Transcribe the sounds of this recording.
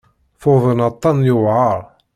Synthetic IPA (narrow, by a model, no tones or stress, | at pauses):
fʊðˤənɑt̪ˤːɑnjʊvʕəɾˤ